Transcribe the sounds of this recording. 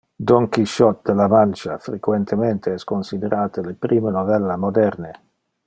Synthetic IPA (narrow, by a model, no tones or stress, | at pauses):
d̪ɔŋkiʃɔt̪̚d̪elamant͡ʃa̰fɾekwent̪ʰement̪ʰeɛskonsid̪eɾʔaːt̪elepɾʔiːmenovɛlːamod̪ɛrne